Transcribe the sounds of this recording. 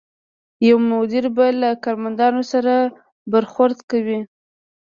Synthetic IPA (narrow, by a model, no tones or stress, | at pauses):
jawmʊd̪ɪɾbalakɑɾmand̪ɑnosaɾa | baɾxʊɾd̪kawi